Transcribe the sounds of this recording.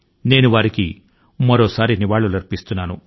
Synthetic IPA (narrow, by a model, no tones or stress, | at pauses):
ne̞ːnuʋaːɾikḭ | mɐɾoːsaːɾiniʋaːɭːulɐɾpist̪unːaːnu